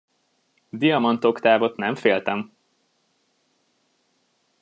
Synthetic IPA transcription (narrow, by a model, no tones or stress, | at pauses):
d̪ijɒmɒnt̪o̞kt̪aːvo̞t̪nɛɱfeːlt̪ɛm